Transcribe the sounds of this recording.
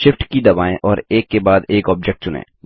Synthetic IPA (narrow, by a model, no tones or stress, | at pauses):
ʃɪfʈkid̪ɐbaːẽʔɔːɾeːkːebaːd̪eːkɔːp̚d͡ʒɛk̚ʈ̚t͡ʃʊnḛː